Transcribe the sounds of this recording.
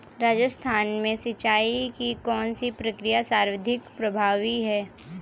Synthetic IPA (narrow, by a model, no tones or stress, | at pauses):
ɾaːd͡ʒəst̪ʰaːnmẽsɐt͡ʃaːikikɔːnsipɾəkɾijasaːɾwəd̪ʱɪkpɾɐbʱaːʋiɦɛː